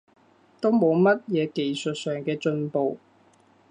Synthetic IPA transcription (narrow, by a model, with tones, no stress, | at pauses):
t̪o˥wmo˨˧wmɐ˥t̚jɛː˨˧ke˨jsɵ˨t̚sœː˨˩ŋkɛː˧t͡ʃɵ˧npo˨w